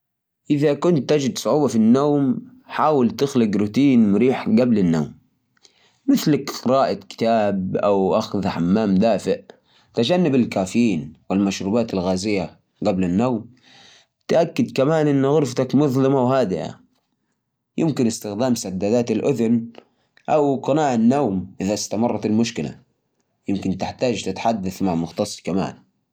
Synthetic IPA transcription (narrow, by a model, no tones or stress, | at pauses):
ʔɪðakʊnt̪ːad͡ʒɪd̪sˤʊʕuːbafinːoːm | ħaːwalt̪ɪxlɪɡɾut̪iːnmʊɾiːħɡablanːaːmː | ɪθlakɾˤɑːʔakɪ̥t̪aːbʔawʔaxðħamːaːmd̪aːfɪʔ | t̪ad͡ʒanːabɪlkaːfjiːnwɪlmaʃɾuːbaːt̪alɣaːzɪjːa | ɡablanːawm | t̪ʔakːɪd̪kamaːnʔɪnːɣʊɾft̪akmʊðlɪmawɦaːd̪ɪʔa̰ | jɪmkɪnɪst̪ɪxd̪aːmsad̪ːaːd̪aːt̪alʔʊðʊn | ʔawɡɑnaːʕanːawmʔɪðast̪amɑrˤːɑt̪almʊʃkɪla̰ | jɪmkɪnt̪ɪħt̪aːd͡ʒt̪ɪt̪ħad̪ːaθmaʕmʊxt̪ɑsˤːkama̰ːn